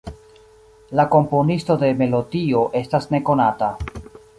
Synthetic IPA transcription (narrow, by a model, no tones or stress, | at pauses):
lako̞mpo̞nisto̞de̞me̞lo̞dio̞ʔe̞stasne̞ko̞nata